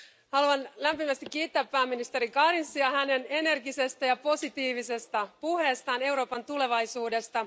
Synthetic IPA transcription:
hɑluɑnlæmpimæst̪ikːiːt̪ːæːpːæːmːinist̪eɾikɑɾinsːiɑhæne̞ne̞ne̞rɡise̞st̪æjɑpo̞sit̪iːʋise̞st̪ɑpuhe̞ːst̪ɑːne̞wɾo̞ːpɑnt̪ule̞ʋɑjsuːde̞st̪ɑ

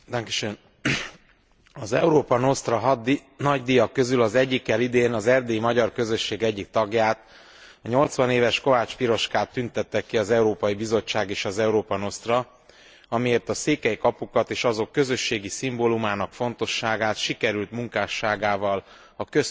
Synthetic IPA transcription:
d̪aŋkiʃen | ɒzɛuɾoːpɒno̞st̪rɒɦd̪i | nɒɟd̪ijɒkːø̞zylɒzɛɟːikːɛlid̪eːnɒzɛrd̪eimɒɟɒrkø̞zø̞ʃːeːɡɛɟːik̚t̪ɒɡjaːt̪ | ɒɲo̞lt̪sʋɒneːvɛʃko̞vaːt͡ʃpiɾo̞ʃkaːt̪ːynt̪ɛt̪ːɛkːiɒzɛuɾoːpɒjibizo̞t͡ʃːaːɡeːʃɒzɛuɾoːpɒno̞st̪rɒ | ɒmijeːrt̪ɒseːkɛjkɒpukɒt̪eːʃɒzo̞kːø̞zø̞ʃːeːɡisimbolumaːnɒkfo̞nt̪o̞ʃːaːɡaːt̪ʃikɛɾylt̪muŋkaːʃaːɡaːvɒl | ɒkøs

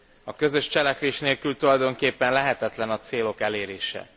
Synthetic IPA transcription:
ɒkø̞zø̞ʃt͡ʃɛlɛkʋeːʃneːlkylt̪ulɒjd̪o̞ŋkeːpːɛnlɛɦɛt̪ɛt̪lɛnɒt̪seːlo̞kɛleːɾeːʃɛ̰

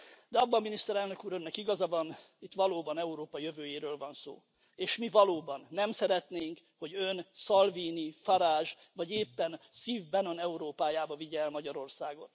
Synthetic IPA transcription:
d̪ɛɒbːɒmminist̪ɛɾɛlnø̞kuːɾønːɛkiɡɒzɒvɒnit̪ːʋɒloːbɒnɛuɾoːpɒjøvøːjeːɾøːlvɒnso̰ː | eːʃmivɒloːbɒnːɛmsɛɾɛt̪neːŋk | ho̞ɟønsɒlviːnifɒɾaːʒvɒɟeːpːɛnsiːvbɛno̞nɛuɾoːpaːjaːbɒviɟɛːlmɒɟɒɾo̞rsaːɡo̞̰t̪

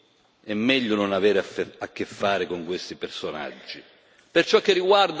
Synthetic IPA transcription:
ɛmːɛʎːʊnonavɛːɾakːefːaːɾɪkoŋkwest̪ipersona̰d͡ʒːi | pert͡ʃɔkːɪrːiɡward̪

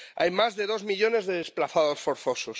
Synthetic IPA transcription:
ajmazðe̞ð̞o̞zmiʎo̞ne̞zðe̞ð̞esplaθaðo̞sfo̞ɾθo̞sos

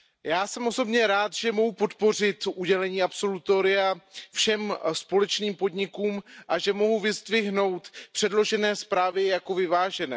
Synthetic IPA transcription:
jaːsɛmʔo̞so̞bɲɛɾaːt̪ʒ̥ɛmo̞ɦupo̞t̪po̞r̝ɪt̪ʔuɟɛlɛɲiːapso̞lut̪oɾɪafʃɛmspo̞lɛt͡ʃniːmpo̞dɲɪkuːmʔaʒɛmo̞ɦuvɪzd̪vɪɦno̞wt̪pr̥ɛdlo̞ʒɛnɛːspɾaːvɪjako̞vɪvaːʒɛnɛː

